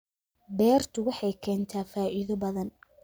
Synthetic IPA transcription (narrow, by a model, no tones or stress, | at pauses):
bɛːrt̪ʰʊwɑħɑjkʰɛːnt̪ʰaːfaːʔɪðɔbɐðɐn